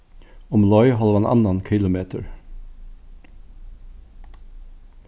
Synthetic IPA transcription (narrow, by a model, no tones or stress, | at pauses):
ɔmlɔʏɦɑlʋɑnʔɑ̰nɑnkʰɪlʊmeːt̪ʰəɹ